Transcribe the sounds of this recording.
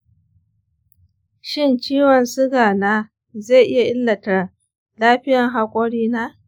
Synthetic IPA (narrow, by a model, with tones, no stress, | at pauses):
ʃɪ˦nt͡ʃiː˦wɐ˨nsʊ˦ɡaː˨naː˦ | ze˦˨ʔɪ˦ja˨ʔɪ˦lːɐ˨tɐ˨r | laː˦ɸɪ˦jɐ˨ŋɦa˦kʷʼo˦ɽiː˦naː˦